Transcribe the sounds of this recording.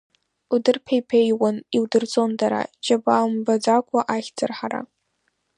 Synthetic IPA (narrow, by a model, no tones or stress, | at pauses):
udɨrpʰejpʰejwaniwdɨrt͡sʼo̞ndaɾa̰d͡ʒabaːmbad͡zakʷʰʼaʔaχʲd͡zɨrħaɾa̰